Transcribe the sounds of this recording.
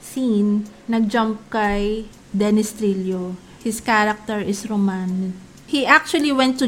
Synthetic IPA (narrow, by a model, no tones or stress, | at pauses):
sinːɐɡ̚d͡ʒamp̚kɐj | d̪ɛnɪst̪ɾiljo | hɪskaɾɐk̚t̪ɛɹʔɪsɹoman | hiʔak̚t͡ʃuɐliwɛ̃nt̪ːu